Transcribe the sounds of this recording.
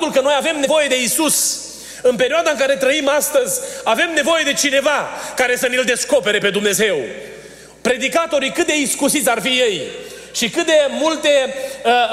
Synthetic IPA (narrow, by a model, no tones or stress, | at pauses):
t̪ulkəno̞jave̞mnevo̞je̞d̪e̞isus | ɨnpeɾioad̪aɨŋkaɾe̞t̪ɾəimast̪əzʲave̞mne̞vo̞je̞d̪e̞t͡ʃine̞vakaɾe̞sənild̪e̞sko̞pe̞ɾe̞pe̞d̪umne̞ze̞w | pɾe̞d̪ikat̪o̞ɾikɨt̪̚d̪e̞iskusit̪sʲarfije̞jʃikɨt̪̚d̪e̞mult̪e̞ə